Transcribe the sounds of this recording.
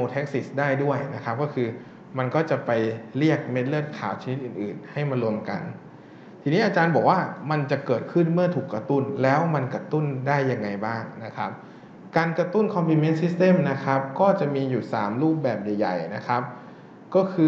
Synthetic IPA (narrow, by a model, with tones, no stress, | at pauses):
oː˧t̪ʰe˦˥k̚si˨˥˩sdaː˥˩jdu˥˩əjna˦˥kʰa˦˥p̚kɔː˥˩kʰɯː˧ | ma˧nkɔː˥˩t͡ɕa˨˩pa˧jli˥˩ək̚me˦˥t̪̬̚lɯ˥˩t̪̚kʰaː˨˩˦wt͡ɕʰa˧ni˦t̪ʔɯː˨˩nʔɯː˨˩nha˥˩jma˧lu˧əmka̰˧n | t̪ʰiː˧niː˦˥ʔaː˧t͡ɕaː˧nbɔː˨˩k̚waː˥˩ma˧nt͡ɕa˨˩kɤː˨˩t̪̚kʰɯ˥˩nmɯ˥˩ɐt̪ʰuː˨˩kːɾa˧t̪u˥˩nlɛː˦˥wma˧nka˧t̪u˥˩ndaː˥˩jːa˧ŋːa˧jbaː˥˩ŋna˦˥kʰa˦˥p̚ | kaː˧nkɾa˧t̪u˥˩nkʰɔ˧mpʰli˧me˦˥nsi˦˥st̪e˥˩˨mna˦˥kʰa˦˥p̚kɔː˥˩t͡ɕa˨˩miː˧ju˨˩sa̰ː˩˦mɾuː˥˩p̚bɛː˨˩p̚ja˨˩jːa̰˨˩jna˦˥kʰa˦˥p̚ | kɔː˥˩kʰɯː˧